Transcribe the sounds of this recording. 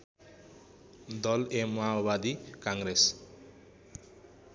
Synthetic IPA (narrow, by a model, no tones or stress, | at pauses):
d̪ɔlemawbad̪ikaŋɡɾes